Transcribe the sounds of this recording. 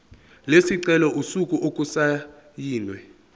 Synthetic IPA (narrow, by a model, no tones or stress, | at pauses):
lesiǀɛlɔʔusukʼuʔokʼusa | jiːnwɛ